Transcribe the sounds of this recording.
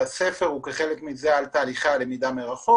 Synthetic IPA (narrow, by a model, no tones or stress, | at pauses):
asefeʁhukeχelekmizealt̪aːliχale̞mid̪ameʁaχo